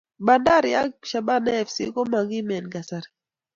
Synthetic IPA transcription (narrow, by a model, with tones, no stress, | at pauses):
ba˨nda˦ɾia˦kʃa˨ɓa˦nɛ˦˨fsḭ˦kɔ˦ma˨ɡi˦mɛ˨nɡa˨saɾi